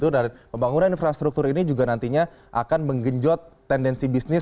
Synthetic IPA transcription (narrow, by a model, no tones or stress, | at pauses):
t̪udaɾpəmbaŋunaninfɾast̪ɾuk̚t̪ʊɾinid͡ʒuɡanant̪iɲa | ʔa̰kanməŋɡəɲd͡ʒɔt̪ːɛndɛnsibisnɪ